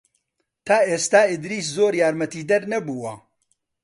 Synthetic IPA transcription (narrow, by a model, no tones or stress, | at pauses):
t̪ʰaːeːst̪aːɪd̪ɾiːs̬zoːɾjaːɾmɐt̪iːd̪ɐɾnɐbuːwɐ